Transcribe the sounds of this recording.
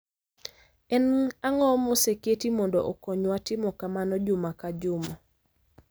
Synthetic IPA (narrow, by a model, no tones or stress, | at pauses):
ɛnaŋɔmɔseketimɔndɔ̰ʔɔkɔɲwatɪmɔkamanɔd͡ʒʊmakad͡ʒʊmɔ